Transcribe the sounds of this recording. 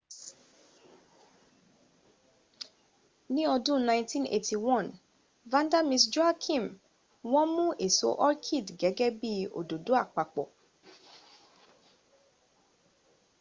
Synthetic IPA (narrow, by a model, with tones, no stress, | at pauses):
nĩ˦ɔ˧dũ˦nã˧j̃ntĩ˦nḛ˨tʰi˨wɔ̃˦˨n | vã˦nda˦mĩ˧sd͡ʒo˦a˦kʰĩ˦˨m | w̃ɔ̃˦mũ˦ʔe˨so˨˦ʔɔ˦ɾkʰi˦˨dɡɛ˨˦ɡɛ˦bi˦o̰˨do˨do˨˦a˦˨k͡pa˨k͡pɔ˨